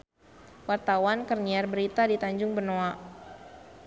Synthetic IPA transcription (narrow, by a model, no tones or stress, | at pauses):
wart̪awankərniarbəɾit̪adit̪aɲd͡ʒʊŋbərnoa